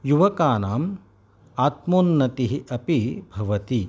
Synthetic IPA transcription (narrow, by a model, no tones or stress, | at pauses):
juʋɐkaːnaːm | aːt̪moːnːɐt̪iɦiʔɐpibʱɐʋɐt̪i